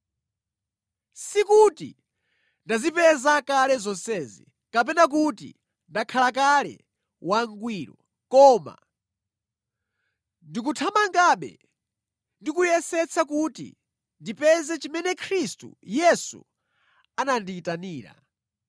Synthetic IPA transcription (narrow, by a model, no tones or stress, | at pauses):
sikuti | ndazipɛzakalɛzɔnsɛːzḭ | kap̬ɛnak̬utḭ | ndakʰalakalɛ̰ | waŋɡwiːɾɔ | kɔːma̰ | ndik̬utʰamaŋɡaɓɛ̰ | ndikujɛsɛt͡sʰakutḭ | ndipɛzɛt͡ʃimɛnɛkʰɾistṵjɛsṵ | ananditaniːɾa̰